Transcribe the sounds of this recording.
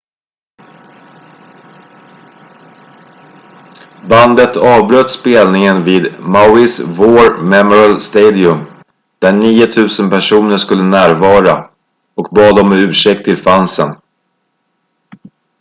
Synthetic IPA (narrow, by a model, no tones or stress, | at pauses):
band̪ət̪ʰɑːvbɾœt̪speːlnɪŋənviːd̪maʊɪsvoːɾmɛmɔɾalst̪eːd̪ɪɵm | d̪̥æɳiːʊt̪ʰʉ̟ːsənpæʂuːnəʂkɵlːənæːɾvɑːɾa | ɔkbɑːd̪ɔmɛʉ̟ːʂɛk̚t̪ʰːɪlfansən